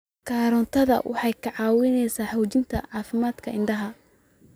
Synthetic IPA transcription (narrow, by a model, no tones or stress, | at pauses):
kʰaːɾɔnt̪ʰɐðɐ̰wʔɑ̰ħɑjkʰɐʕɑːwɪnɛjsaːħɔːt͡ʃɪnt̪ʰɐʕɑːfɪmaːd̪kʰɐʔɪɳɖɐɦɐ